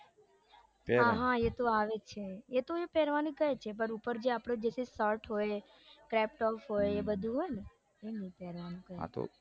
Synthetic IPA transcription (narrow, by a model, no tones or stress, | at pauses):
ɦãɦãet̪oaːʋet͡ʃʰeet̪oepɛɾʋanĩkəet͡ʃʰepəɾupəɾd͡ʒeaːpɽod͡ʒeːsesəɾʈɦoːje | kɾɛp̚ʈɔːfɦoːeebəd̪ʱũɦojene | enĩpɛɾʋanũkəɾḛ̃t̪o̰